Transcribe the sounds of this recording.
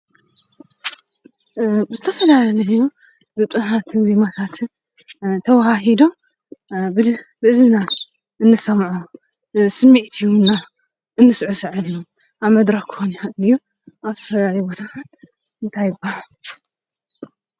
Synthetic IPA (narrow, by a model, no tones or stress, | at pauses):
zɨt̪ʰɐfɐlalɐlɐjju | bɨt̪ʼɨhat̪zimat̪ʰat̪ | t̪ʰɐwahaɦid̪o̞ | bɨbɨɨzna | ʔɨnːɨsɐmʕu | sɨmːiʕt̪ʰiwunːa | ʔɨnːɨsʕusɨʕɨlju | ʔaβmɐd̪ɾɐkkʰːɨ̥xoniaɨliju | ʔaβzɨt̪ɐfɐlalɐjbo̞t̪ʰakat̪ | ɨnt̪ʰajɪbaha